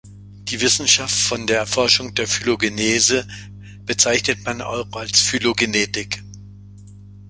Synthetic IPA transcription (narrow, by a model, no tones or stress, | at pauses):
d̥iːvɪsn̩ʃaftfɔndeːɐɛɐfɔɐʃʊŋd̥eːɐfyloɡeneːzə | b̥ət͡saɪçnətmanʔa̰ɪʁalsfyloɡeneːtɪk